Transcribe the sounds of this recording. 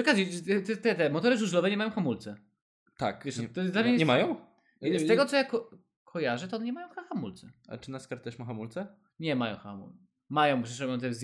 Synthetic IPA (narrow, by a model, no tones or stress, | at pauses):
ɔkazit̪ɛt̪ɛt̪ɛt̪ɛmɔt̪ɔɾɨʐuʐlɔvɛɲɛmajɔ̃w̃xamult̪sɛ | t̪a̰kvɛʂt̪ːɔzd̪lavʲejɛɲɛmajɔ̃w̃ | ɛɛʂt̪ɛɡɔt̪sɔjakɔ | kʰɔjaʐɛt̪ɔɔnɲɛmajɔ̃wxaxamult̪sɛa̰t͡ʂɨnaskaɾt̪ɛʂmaxamult̪sɛ | ɲɛmajɔ̰̃w̃xa̰mṵ | majɔ̃w̃pʂɛʂɾɔbjɔ̃t̪ɛzʲ